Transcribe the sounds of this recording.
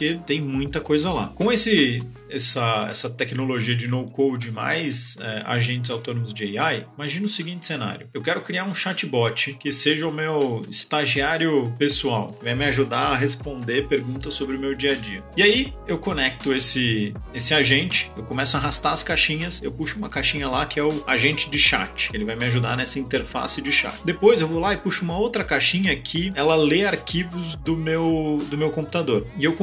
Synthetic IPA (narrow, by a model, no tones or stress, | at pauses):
kɪt̪ẽj̃mũj̃t̪ɐkojzɐla̰kõesɪ | ɛsɐɛ̰sɐt̪ɛknoloʒiɐd͡ʒɪnowkowd͡ʒɪma̰jzɛa̰ʒẽnt͡ʃɪzawt̪õnõmʊzd͡ʒɪejajimaʒĩnʊʊsiɡĩnt͡ʃ̪ɪ̥sena̰ɾjʊewkɛɾʊkɾiaɾũʃat͡ʃɪbɔt͡ʃɪkɪseʒɐʊmewɪ̰st̪aʒiaɾjʊpesuawkɪvajmɪaʒud̪aɐɦespõnd̪epeɾɡũnt̪ɐsobɾɪʊmewd͡ʒiɐd͡ʒiɐɪaiewkonɛk̚t̪ʊesɪesɪaʒẽnt͡ʃɪ̥ewkõmɛsʊaɦast̪aɐskaʃĩɲɐsewpuʃʊũmɐkaʃĩɲɐlakɪɛʊa̰ʒẽnt͡ʃɪd͡ʒɪʃa̰t͡ʃɪ̥elɪvajmɪaʒud̪anɛsɐĩnt̪eɾfa̰sɪd͡ʒɪʃa̰t͡ʃɪd̪epojzewvolaɪpuʃʊũmɐowt̪ɾɐkaʃĩɲɐkʰɪɛlɐleaɾkʲivʊzd̪ʊmewd̪ʊmewkõmpu̥t̪ad̪oɾɪewkõ